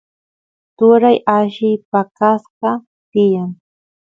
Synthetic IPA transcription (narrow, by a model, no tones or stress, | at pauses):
t̪ʊɾajaʃɪpakasqɑ | t̪ɪjaŋ